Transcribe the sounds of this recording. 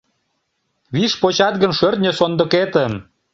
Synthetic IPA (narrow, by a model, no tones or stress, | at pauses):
βiʃpot͡ɕɑt̪̚ɣənʃørt̪nʲesond̪ə̆ket̪ə̆m